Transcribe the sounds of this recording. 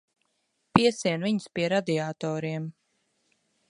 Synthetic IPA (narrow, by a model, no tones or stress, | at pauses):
piɛsiɛnviɲspiɛɾad̪iaːt̪ɔːɾiɛm